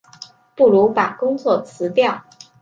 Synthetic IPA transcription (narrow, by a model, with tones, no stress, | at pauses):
pu˥˩ɻu˧˥pa˨˩kʊ˥ŋt͡swɔ˥˩t͡sʰɹ̩˧˥t̪jɑ˥˩ʊ